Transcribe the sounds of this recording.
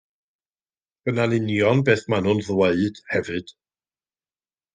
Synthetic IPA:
b̥ənanɪnjɔnbeːθmanʊnðweɨd̥hɛvɨd̥

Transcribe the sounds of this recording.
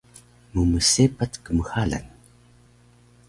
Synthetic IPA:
muməsepatkəməxala̰n

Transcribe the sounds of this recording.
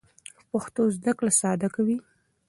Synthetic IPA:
paxt̪ozd̪aklasɑd̪akawi

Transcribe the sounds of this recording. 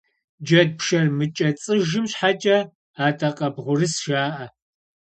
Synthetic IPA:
d͡ʒɐd̚pʃɐrmɨt͡ʃʼɐt͡sʼɨʒɨmɕħat͡ʃʼɐ | aːtʼɐqʼɐbʁʷʊrɨsʒaːʔɐ

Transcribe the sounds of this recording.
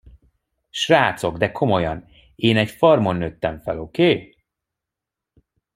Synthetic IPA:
ʃraːt̪so̞ɡd̪ɛkʰo̞mo̞jɒn | eːnɛcfɒrmo̞nːøt̪ːɛɱfɛ̰lokeː

